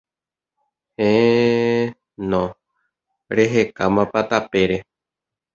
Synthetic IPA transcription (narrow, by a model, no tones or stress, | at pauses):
hẽ | nõ | ɾeɦekamãpat̪apeɾe